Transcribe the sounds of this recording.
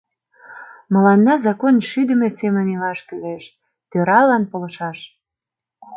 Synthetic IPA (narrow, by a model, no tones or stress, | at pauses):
mə̆lɑnːɑzɑkonʃyd̪ə̆mesemənilɑʃkyleʃ | t̪øɾɑlɑnpolə̆ʃɑʃ